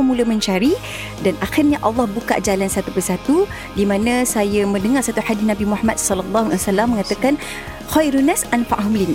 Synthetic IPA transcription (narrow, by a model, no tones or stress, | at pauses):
əmuləmə̃ɲt͡ʃaɾi | danʔaxirɲaʔɑlːɑhbuka̰ʔd͡ʒalansat̪upərsat̪u | dimãnãsajamə̃ndəŋarsat̪uħadisnabimuħamat̪̚sɔlalˤːɑɦsalamːə̃ŋat̪akan | xajɾunasʔanfaʔɦʊmlin